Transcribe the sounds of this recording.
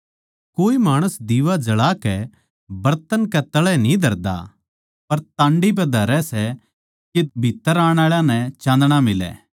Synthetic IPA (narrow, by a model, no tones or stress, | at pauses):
koːimaːɽ̃ʊsd̪iːʋad͡ʒɐɭaːkɛ | bɐɾt̪ənkɛt̪ɐɭɛnĩd̪ʱɐɾd̪a̰ | pɐɾt̪ãːɳɖip̬ɛd̪ʱɐɾɛsɛ | kibʱit̪ːəɾaːɽ̃aːɭjãnɛt͡ʃãːnd̪ɽ̃amɪlɛ̰ː